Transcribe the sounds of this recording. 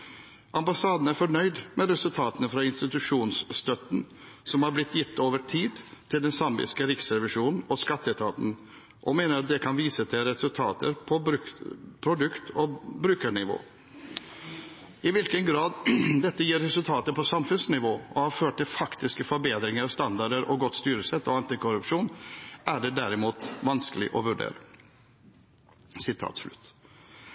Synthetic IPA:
ʔɑmbɑsɑːd̪ən̩æɾfɔɳœʏd̪mɛɾɛsʉlt̪ʰɑːt̪ənəfɾɑɪnst̪ɪt̪ʉʂuːnsst̪œt̪nsɔmhɑɾblɪt̪ːjɪt̪ʰːoːʋəʈʰiːd̪t̪ʰɪld̪ɛnsɑmbɪ̰skəɾɪksɾɛʋɪʂuːnn̩ɔskɑt̪ːɛt̪ʰɑːt̪n̩ | ʔɔmeːnəɾɑt̪̚d̪ɛkʰɑnʋiːsət̪ʰɪlɾɛsʉlt̪ʰɑ̰ːt̪ə̰ɾpʰɔbɾʉpʰɾʊd̪ʉkt̪ʰɔbɾʉːkəɳɪʋo̰ː | ɪʋɪlkənɡɾɑːd̪d̪ɛt̪ːəjiːɾːɛsʉlt̪ʰɑːt̪əpʰɔsɑmfʉnsnɪʋoːɔhɑːɾføːʈ̚ʈɪlfɑkt̪ɪskəfɔɾbeːd̪ɾɪŋəɾɑst̪ɑnd̪ɑɖəɾʔɔɡɔt̪st̪yːɾəsɛt̪ːɔɑnt̪ɪkʊɾʉpʂuːnʔæɖɛd̪æɾɪmuːt̪ʋɑnskəlɪ̰ʔɔ̰ʋʉɖḛːɾə | sɪt̪ʰɑ̰ːt̪slʉ̰t̪ː

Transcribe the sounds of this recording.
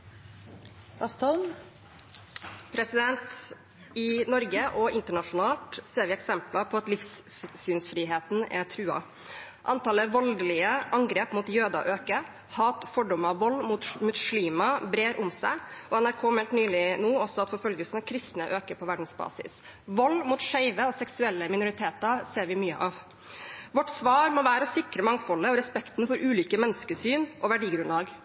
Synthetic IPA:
ɑst̪ʰɔlm | pʰɾɛsɪd̪ɛnt̪ | ɪnɔɾɡəʔɔɪnt̪əɳɑʂʊnɑːlt̪seːɾʋɪɛksɛmplɑpʰɔɑt̪lɪfsː | yːnsfɾiːɦeːt̪n̩ɛ̰t̪ʰɾʉːɑ̰ | ʔɑnt̪ɑːləʋɔlɡ̪əlɪəʔɑŋɡɾeːpmuːt̪jøːd̪ɑ̰ʔøːkə | hɑːt̪fɔɖɔmɑʋɔlːmuːt̪mʉʂliːmɑbɾeːɾʔʊmsæɪʔɔɛnæɾkʰoːmɛlt̪nyːlɪnuːɔsɔɑt̪fɔɾfœlɡəlsn̩ɑʋkʰɾɪst̪nəʔøːkəɾpʰɔʋæɖn̩sbɑ̰ːsɪ̰s | ʋɔlːmuːt̪ʂæɪʋəɔsɛksʉɛlːəmɪnʊɾɪt̪ʰeːt̪ɑɾseːɾʋɪmyːə̰ʔɑʋ | ʋɔʈsʋɑːɾmɔʋæːɾəɔsɪkɾəmɑŋːfɔlːəɔɾɛspɛkt̪nfɔɾʔʉːlʏkəmɛnːəskəsyːnʔɔʋæɖiːɡɾʉnlɑːɡ

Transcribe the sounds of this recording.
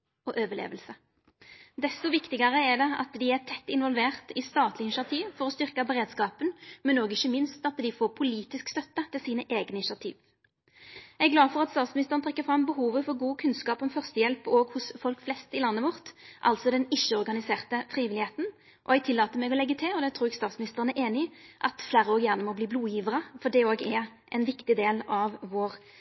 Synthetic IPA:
ɔʔøːʋəlḛːʋəlsə | d̪ɛst̪ɔʋɪkt̪ɪɡəʁəɛd̪ɛɑ̰t̪d̪ɪæʁt̪ʰɛt̪ːɪnʋɔlʋeːʁt̪ɪst̪ɑːt̪lɪnɪʃɑt̪ʰiːʋfɔʁɔst̪ʏʁkɑbəʁeːd̪skɑːpənmɛnoːɡɪçːəmɪnst̪ɑt̪d̪ɪfoːʁpʰʊliːt̪ɪskst̪œt̪ːət̪ʰɪlsiːnəʔeːɡnɪnʂɑt̪ʰḭːʋ | ɛɡlɑːfɔʁɑt̪st̪ɑːt̪smɪnɪst̪əʁnt̪ʰʁɛkːəfʁɑmbəɦuːʋəfɔʁɡuːkʰʉnskɑːpɔmfœʁst̪əjɛlpoɡhʊsfɔlkflɛst̪ɪlɑnːəʋɔʁt̪ʔɑ̰lt̪sɔd̪ɛnɪʃːəɔʁɡɑnɪseːʁt̪əfʁiːʋɪlɪheːt̪n̩ | ʔɔ̰ɛɡ̚t̪ʰɪlːɑːt̪əmɛːɡɔlɛɡːət̪ʰɪlɔd̪ɛt̪ʰɾuːɛɡst̪ɑːt̪smɪnɪst̪əʁənæʔeːnɪʔɑt̪flæːɾəoːɡjæːʁnəmɔbliːbluːjiːʋəʁəfɔɖɛoːɡɛʔɛnʋɪkt̪ɪd̪eːlɑʋʋoːʁ

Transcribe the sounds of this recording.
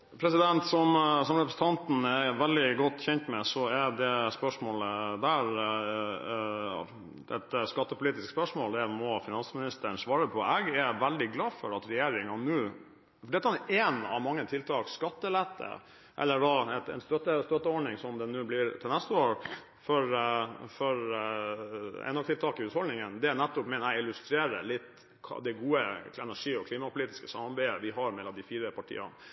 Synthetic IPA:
pʰɾɛsɪd̪ɛnt̪sɔmsɔmɾɛpɾəsn̩t̪ɑnt̪n̩ɛʋɛld̪ɪɡɔt̪ːçɛnt̪mɛsɔɛɖɛspœʂmoːləd̪æːɾ | ɛ̰t̪skɑt̪ːəpʊliːt̪ɪskspœʂmoːld̪ɛmɔfɪnɑnsmɪnɪst̪əɳsʋɑːɾəpʰɔɛɡɛʋæld̪ɪɡlɑːfɔɾɑt̪ɾɛjeːɾɪŋɑnʉː | fɔɖɛt̪ːnʔɛːnɑ̰ʋmɑŋːət̪ʰɪlt̪ʰɑːkskɑt̪ːəlɛt̪ːə̰ | ʔɛ̰lːəɖɑɛt̪ɛ̰nst̪œt̪ːəst̪œt̪ːəɔɖɳɪŋsɔmd̪ɛnʉːblɪɾt̪ʰɪlnæst̪əoːɾ | fɔɾfɔɾ | ɛ̰nɑʋt̪ʰɪlt̪ʰɑːkɪhʉːt̪hɔld̪nɪŋənd̪ɛnæt̪ːʊpmɛnæɪlʉst̪ɾeːɾəlɪt̪ː | kʰd̪ɛɡuːəɛnæʂiːɔkʰliːmɑpʰʊliːt̪ɪ̥skəsɑmːɑɾbeɪəʋɪɦɑɾmɛlːɑmd̪ɪfiːɾəpʰɑʈʰḭːɑ̰n

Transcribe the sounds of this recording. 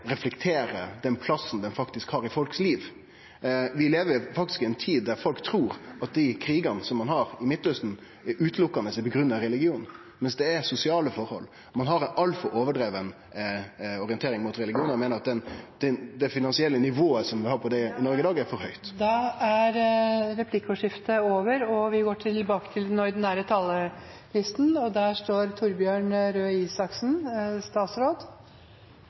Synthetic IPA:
ɾɛflɛkt̪ʰeːɾəd̪ɛnpʰlɑsn̩d̪ɛnfɑkt̪ɪskhɑːɾɪfɔlksliːʋ | ʋɪleːʋəɾfɑk̚t̪ɪskɪɛnt̪ʰiːd̪̚dːæɾfɔlkt̪ʰɾuːɾɑt̪̚d̪ɪkʰɾiːɡɑnsɔmːɑnɦɑɾɪmɪt̪ːœst̪n̩ | ʔʉːt̪lʊkːɑnəsɛɪpɔɡɾʉnɑɾɛlɪɡɪuːn | mɛnsd̪ɛɛɾsʊsɪɑːləfɔɾhɔ̰lː | mɑnɦɑɾɛnɑlfɔɾʔoːʋəɖɾeːʋən | ɔɾɪənt̪ʰeːɾɪŋmʊːt̪ɾɛlɪɡɪuːnəmeːnəɾɑt̪d̪ɛnd̪̥ɛnd̪ɛfɪnɑnsɪɛlːənɪʋoːəsɔmʋɪlhɑːɾpʰɔd̪ɛnɔɾɡəd̪ɑːɡæɾfɔɾhœʏt̪d̪ɑæɾɾɛpʰlɪkːʊʂɪft̪əoːʋəɾɔʋɪɡoːʈʰɪlbɑːkə̥t̪ʰɪlnɔːɪd̪næːɾət̪ʰɑlːə | lɪst̪nɔd̪æːʂʈoːɾt̪ʰʊɾbjøːɳɾøːiːsɑksnst̪ɑːt̪sɾoːd̪

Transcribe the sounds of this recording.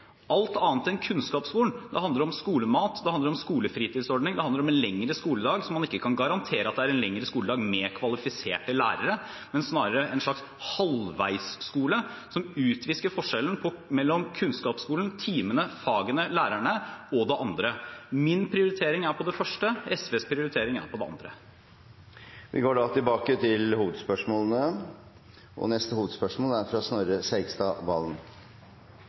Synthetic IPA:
ɑlt̪ɑːnt̪ɛnkʰʉnskɑːpskuːlnd̪ɛhɑnd̪ləɾɔmskuːləmɑːt̪d̪ɛhɑnd̪əɾɔmskuːləfɾiːt̪ɪːd̪sɔɾɖnɪŋd̪ɛhɑnd̪əɾɔmɛnlɛŋɾəskuːləd̪ɑːɡsɔmːɑnɪkːəkʰɑnɡɑɾɑnt̪ʰeːɾəɑt̪̚d̪ɛæɾɛnlɛŋɾəskuːld̪ɑːɡmeːɾkʰʋɑlɪfɪsḛːʈəlæ̰ːɾəɾə | mɛnsnɑːɾəɾəʔɛnʂɭɑks | hɔlʋæ̰ɪsːkuːlə | sɔmʉːt̪ʰʋɪskəɾfɔʂɛln̩pʰɔmɛlːɔmkʰʉnskɑːpskuːlən̩t̪ʰiːmənəfɑːɡənəlæːɾæɳəɔd̪ɛʔɑnd̪ɾəmɪnpʰɾɪʊɾɪt̪ʰeːɾɪŋæɾpʰɔd̪ɛfœʂʈəɛsʋeːspʰɾɪʊɾɪt̪ʰeːɾɪŋæ̰ɾpʰɔd̪ɛ̰ɑ̰nd̪ɾə̰ | ʋʔɪ̰ɡoːɖɑt̪ʰɪlbɑːkət̪ʰɪlhuːʋəd̪spœʂmoːlənə | ʔɔ̰nɛst̪əhuːʋəd̪spœʂmoːlæɾfɾɑsnøɾəsæɪɡst̪ɑʋɑ̰ːlən

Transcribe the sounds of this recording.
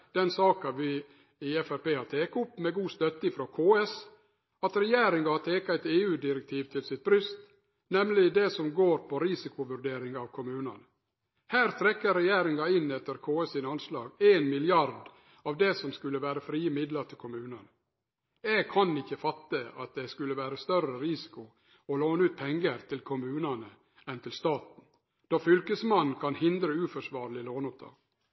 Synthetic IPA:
d̪̥ɛnsɑːkɑʋɪ | ɪɛfæɾpeːhɑɾt̪ʰeːkʊpːmɛɡuːst̪œt̪ːəɪfɾokʰoːɛs | ɑt̪ɾɛjeːɾɪŋɑɑt̪ʰeːkɑæɪt̪eːʉːd̪ɪɾɛk̚t̪ʰiːʋt̪ʰɪlsɪt̪̚bɾʏst̪ | nɛmlɪd̪ɛsɔmɡoːɾpʰɔɾɪsɪkʊʋʉɾɖ̪eːɾɪŋɑʋkʰʊmʉːnɑ̰n | hæːɾt̪ʰɾɛkːəɾɛjeːɾɪŋɑɪnːɛt̪ːəɾkʰoːɛsiːnɑnslɑ̰ːɡeːnmɪlɪɑɾd | ɑʋd̪ɛsɔmskʉlːəʋæːɾəfɾiːəmɪd̪lɑɾt̪ʰɪlkʰʊmʉːnɑnə | ɛɡ̚kʰɑnɪçːəfɑt̪ːəɑt̪̚d̪ɛskʉlːəʋæːɾəst̪œrəɾɪsɪ̥kʊ | ɔloːnəʉːt̪̚pʰɛŋːəɾt̪ʰɪlkʰʊmʉːnɑnə | ɛnt̪ʰɪlst̪ɑːt̪n̩ | d̪̥ɔfʏlkəsmɑnkʰɑnhɪnd̪ɾəʉːfɔʂʋɑːɾlɪloːnʊp̚t̪ʰɑ̰ːɡ̥

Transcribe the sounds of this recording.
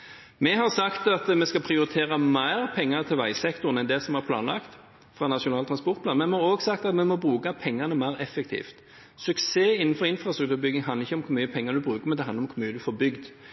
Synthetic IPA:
mɛɦɑʁsɑkt̪ɑt̪mɛskɑpʰɾɪʊɾɪt̪ʰeːʁɑmæɪʁpʰɛŋːɑt̪ʰɪlʋæɪsɛkt̪ʊnɛnd̪ɛsɔmɑʁpʰlɑ̰ːnlɑ̰kt̪ | fʁɑːnɑʃʊnɑːlt̪ʰɾɑspɔɾt̪pʰlɑːnmɛnmɑɾoːɡsɑk̚t̪ɑt̪mɛmɔbɾʉːkɑpʰɛŋːɑnəmæɪʁɛfːɛk̚t̪ʰḭːft̪ | sʉkseːɪnːn̩fɔɾɪnfʁɑst̪ɾʉk̚t̪ʉːɾəbʏɡnɪŋɦɑnəɪçːəɔmkʰʊɾmyːəpʰɛŋːəd̪ʉbʁʉːkəʁmɛd̪ɛhɑnəɔmkʰʊɾmyːəd̪ʉfoːɾbʏɡd̪

